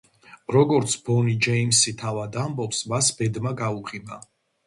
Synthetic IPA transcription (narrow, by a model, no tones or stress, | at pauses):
ɾɔɡɔɾt̪sʰbɔnid͡ʒɛimsit̪ʰavad̪ambɔpsmasb̥ɛd̪maɡauʁiba